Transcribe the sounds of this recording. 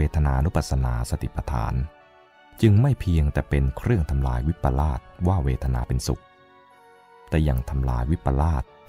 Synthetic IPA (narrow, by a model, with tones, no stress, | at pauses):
eː˧t̪ʰa˧naː˧ʔa˧nu˦˥pa˨˩t̪̚sa˧na̰ː˧sa˧t̪ʰḭ˨˩pɾa˧t̪ʰa̰ː˩˦n | t͡ɕɯ˧ŋma˥˩jpʰi˧əŋt̪ɛː˨˩pe˧nkʰɾɯ˥˩əŋt̪ʰa˧mla̰ː˧jwi˦˥pːa˧laː˥˩t̪̚waː˥˩weː˧t̪ʰa˧na̰ː˧pe˧nsṵ˨˩k̚ | t̪ɛː˨˩ja̰˨˩ŋt̪ʰa˧mla̰ː˧jwi˦˥pːa˧laː˥˩t̪̚